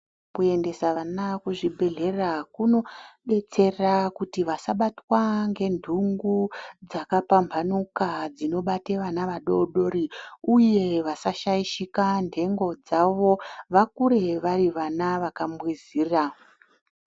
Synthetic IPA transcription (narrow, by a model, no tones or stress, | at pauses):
kue̞nde̞saanakuʐibʱe̞ɮe̞rakuno̞ɓe̞t͡se̞rakutiʋasaɓatwaŋɡe̞ndʱuŋɡud͡zakapambʱanukad͡zino̞ɓate̞ʋanaʋaɗo̞ɗo̞ɾiuje̞ʋasaʃaiʃikandʱe̞ŋɡo̞d͡zaʋo̞ʋakuɾe̞ʋariʋanaʋakamwiziːra